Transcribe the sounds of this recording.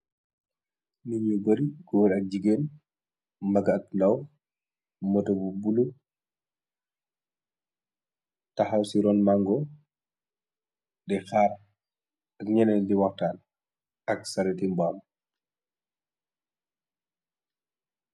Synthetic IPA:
niɲuɡɔɾiɡɔɾɐk̚ɟiɡeːn | mbɐɡɐk̚ndɐw | mɔtobubulu | tɐxɐwsiɾɔːnmaŋɡɔ | dɛxaːr | ɐk̚ɲɛnɛdiwɔxtaːl | ɐksɐɾɛtimbaːm

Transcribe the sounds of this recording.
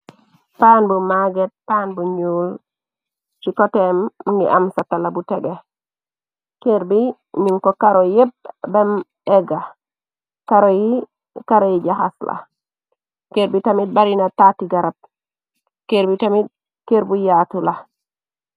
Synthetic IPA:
paːnbumaɡet̚panbuɲuːl | t͡ʃikotemːŋɡḭʔamsatalabuteɡe | keɾbi | ɲiŋkokaɾojep̚bem | eɡa | kaɾoji | kaɾojiɟahasla̰ | keɾbitamit̚baɾinatatiɡaɾab̚ | keɾbitamit̚ | keɾbujatula

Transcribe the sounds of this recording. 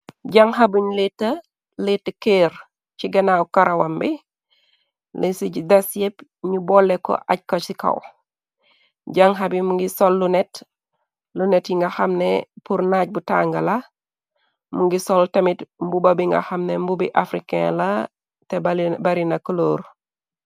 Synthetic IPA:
ɟaŋhabuɲlitːɐ | litːəkeːɾ | t͡ʃiɡɐnawukaɾʔawambi | lisiɟdasjepɲubɔlːeko̰ʔaɟ̚kot͡ʃikɐ̰w | ɟaŋɦabimuŋɡisolːunet | lunetjiŋɡaxamnepuɾnaɟ̚buta̰ːŋɡɐla | muŋɡisoltɐmitmbubabiŋɡa̰xamnembubḭʔafɾikḛla | tebbaɾinakuloːɾ

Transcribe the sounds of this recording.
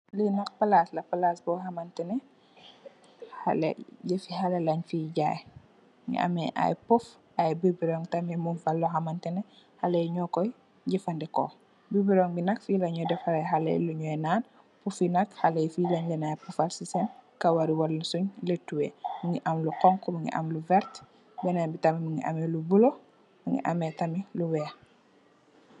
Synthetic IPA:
linɐkpɐlaslɐpalasbɔɦɐmɐntɛnɛ | ha̰lɛ̰ɟefihalɛlɐɲfiɟaj | ŋḭɐ̰mɛʔa̰jpuf | ajbibiɾɔŋtɐmɛmunfalːuɦɐmɐntɛnɛ | halɛjɲɔkɔj | ɟifɐndɛkɔ̰ | bibiɾoŋbinɐkfilaɲɲɔdɛfaɾajɦalḛjluɲɔjnaːn | pufinɐkhalejfilaɲlɛnajpufalsisɛnkawɐɾiwalːsuɲletːuwḛmuŋiʔɐmluqɔŋkumuŋḭʔɐ̰mluvɛɾt | bɛnabitamimiŋḭʔa̰melubulo | miŋḭʔa̰metɐmiluwɛ

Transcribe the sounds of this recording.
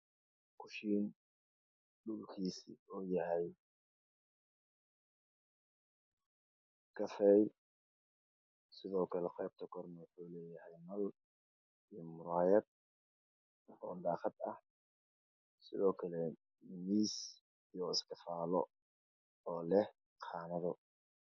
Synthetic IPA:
kʰʊʃiːn | ɖʊlkʰiːsḭɔːjɐɦɛj | kʰɐfɛːj | sɪðɔːkʰɐlɛχɛjb̚t̪ʰɐkʰɔrnɐwʊħuːlɛːjɐhɛjnɐl | ijmʊɾaːjɐd̪̚ | ɔːd̪ɑːqɑd̪ɐ̰h | sɪðɔːkʰɐlɛ | miːs | ijɔɪskɐfaːlɔ̰ | ɔːlɛh | qʰɑːnɐðɔ

